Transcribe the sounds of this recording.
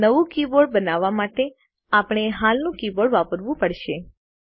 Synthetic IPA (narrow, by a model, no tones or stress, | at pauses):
nəʋũkiboɽbənaʋːamaʈe | apəɳ̃eɦalnũkiboɽʋapəɾʋũpəɽʃe